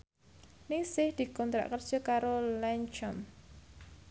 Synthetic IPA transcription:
nɪsɪhd̪̥i̤kɔnt̪ɾa̰ʔkərd̥ʒ̥ɔ̤kaɾolɛnt͡ʃɔm

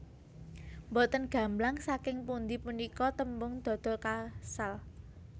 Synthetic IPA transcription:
mbɔt̪ənɡ̥a̤mblaŋsakɪŋpund̪ipunikɔt̪əmbʊŋd̪̥ɔ̤d̪̥ɔ̤kasal

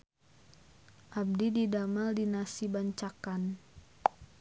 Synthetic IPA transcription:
ʔab̚dididamaldinasibaɲt͡ʃakan

